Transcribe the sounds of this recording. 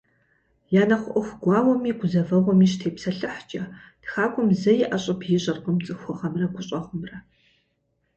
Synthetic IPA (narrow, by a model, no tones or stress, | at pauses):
jaːnɐχʷʊʔɔxʷɡʷɑːwɔmiːɡʷʊzɐvɐʁʷɔmiːʃ̬tʰeːpsɐɬɨħt͡ʃʼɐtxaːkʷʼʊmzɐjɪʔɐɕʼɐpʰjɪɕʼɐrqəmt͡sʼɨxʷʊʁɐmrɐɡʷʰʼʊɕʼɐʁʷʊmrɐ